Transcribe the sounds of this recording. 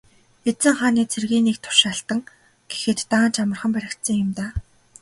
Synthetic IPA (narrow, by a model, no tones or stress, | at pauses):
et͡sɘ̆ŋχaːniːt͡sʰerɣiːnik̚t̪ʰʊ̥rʃaɬt̪ə̆ŋ | ɡ̥e̥xɘ̆t̪ːaːnt͡ɕamə̆rχə̆mpæɾʲɪ̆kt̪sə̆ŋjʊmt̪aː